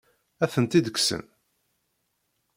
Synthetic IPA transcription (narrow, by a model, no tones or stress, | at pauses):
æθənt̪id̪əksə̰n